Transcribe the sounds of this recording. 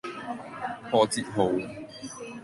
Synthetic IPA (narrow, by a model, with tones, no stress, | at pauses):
fɔː˨˧t͡siː˧t̚ɦo˨˧w